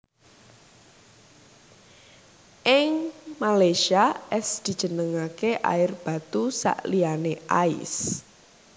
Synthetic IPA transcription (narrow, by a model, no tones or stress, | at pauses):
ʔɪŋmalaʃiaʔɛsd̪̥i̤d̥ʒ̥ə̤nəŋakeʔa̰ɪrb̥a̤t̪usa̰ʔlianeʔa̰ɪ̰s